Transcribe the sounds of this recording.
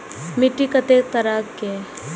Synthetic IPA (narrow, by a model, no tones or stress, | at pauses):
mɪʈːikɐt̪eːt̪ɐɾaːkkːe